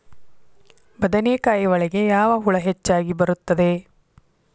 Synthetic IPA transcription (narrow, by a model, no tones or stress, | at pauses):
bɐd̪ɐneːkaːjiʋɐɭɛɡe̞jaːʋɐɦuɭɐɦet͡ʃːaːɡibɐɾut̪ːɐd̪e̞